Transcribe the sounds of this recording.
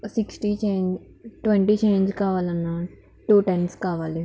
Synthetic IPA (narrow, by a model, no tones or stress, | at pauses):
siksʈit͡ʃeːnd͡ʒ | ʈʋeɳʈiːt͡ʃeːɲd͡ʒkaːʋaːlɐnːa | ʈuːʈenɖskaːʋaːli